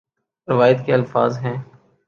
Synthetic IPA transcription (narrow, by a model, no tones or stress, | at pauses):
ɾɪʋaːjət̪keɐlfaːzɦɛ̃ː